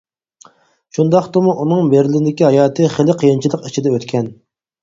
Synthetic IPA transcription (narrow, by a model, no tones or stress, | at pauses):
ʃund̪ɑχt̪omuʔunɨŋbeɾlɪɪd̪ɪkʲiɦɑjɑːt̪ʰɨχelɪqʰəjint͡ʃʰilˠəqit͡ʃʰid̪ɛøt̪kʲʰɛn